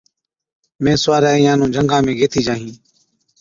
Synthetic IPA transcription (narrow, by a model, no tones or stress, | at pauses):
mẽːsʊʋaːɾaːiːjãːnũːd͡ʒʱəŋɡãːmẽːɡeːt̪ʰiːd͡ʒaːɦĩː